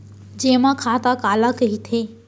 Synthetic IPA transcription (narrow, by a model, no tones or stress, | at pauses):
d͡ʑeːmãkʰaːt̪akaːlakɐɦit̪ʰeː